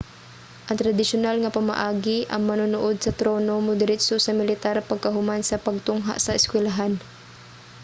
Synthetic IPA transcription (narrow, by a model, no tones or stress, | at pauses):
ʔɐŋt̪ɾad̪ɪʃʊnalŋɐpama̰ʔaːɡɪʔɐŋmɐnʊnuʔod̪̚sɐt̪ɾoːnomʊd̪ɪɾɪsosɐmɪlɪt̪aɾpɐɡ̚kɐɦʊmansɐpɐɡ̚t̪ʊŋɦa̰ʔsɐɪskwɛlaɦan